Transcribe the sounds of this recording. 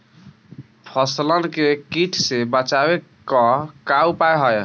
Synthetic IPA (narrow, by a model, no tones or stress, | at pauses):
pʰəslənkekiʈʰsebət͡ʃabekəkaupajɦəj